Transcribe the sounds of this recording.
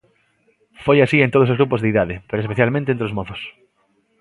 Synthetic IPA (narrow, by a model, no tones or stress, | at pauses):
fojasient̪oðosozɣɾupozðeiðaðepeɾoespeθjalmẽnt̪ẽnt̪ɾozmoθos